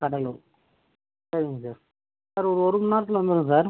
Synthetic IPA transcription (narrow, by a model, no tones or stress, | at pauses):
kɐɽɐlo | sɐɾɪŋɡɐsaːɾ | aːɾɔɾɯɔɾɯmʊnaːɾɐt̪ːɪlʋɐnd̪ɯɾɯ̃s̬aːɾ